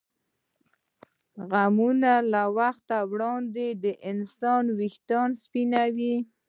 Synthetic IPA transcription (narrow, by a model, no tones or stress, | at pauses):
ɣamunalawaxt̪awɽɑnd̪ed̪əʔɪnsɑnwixt̪ɑnspinawi